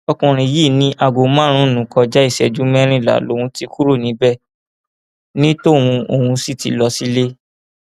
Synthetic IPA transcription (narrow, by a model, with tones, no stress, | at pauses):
ɔ˧kũ˨ɾ̃ĩ˧˨˦ji˦˨nĩ˦ʔa˧˨ɡo˨mã˦ɾ̃ũ˦˨nũ˨kɔ˧d͡ʒa˦i˦˨sɛ˨d͡ʒu˨˦mɛ˦ɾ̃ĩ˦˨la̰˨lo˨˦hũ˧˦ti˧ku˦ɾo˦˨nĩ˨˦bɛ˦˨ | nĩ˦to˦˨hũ˧o˨hũ˧si˦˨tḭ˨˧˦lɔ˧si˦le˦